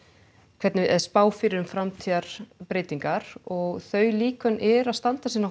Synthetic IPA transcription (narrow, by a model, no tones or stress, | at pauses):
kʰv̥ɛt̪nɪʔɛðspaːwfɪːɾɪɾʏmfɾamt̪ʰiːaɾ̥pɾɪːt̪iŋkaɾ̥ɔɣθœɥliːkœnʔɛɾaðst̪ant̪asiːna